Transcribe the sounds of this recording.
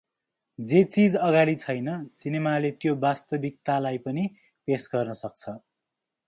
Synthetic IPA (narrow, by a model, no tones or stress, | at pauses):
d͡zet͡sid͡zʌɡaɾit͡sʰʌjnʌsinemalet̪jobast̪ʌbik̚t̪alajpʌni | pesɡʌrnʌsʌk̚t͡sʰʌ